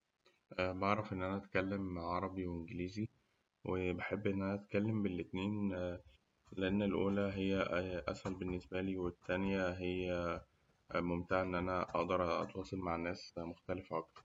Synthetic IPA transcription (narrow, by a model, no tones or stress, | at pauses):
ʔbɑʕɾˤɑfʔenːʔænæʔæt̪kælːemʕʕɑɾˤɑbiweʔenɡeliːzi | wʔebeħebːʔenːʔænæʔæt̪kælːembelʔet̪niːn | leʔenːelʔṵːlæɦejːæʔʔæ̰shælbenːesbæliːwet̪ːænjæɦejːæ | momt̪aʕaʔenːʔænæʔɑʔd̪ɑɾˤʔɑ̰t̪wɑːsˤelmaʕnːæːsmoxt̪ælefʔɑk̚t̪ɑɾˤ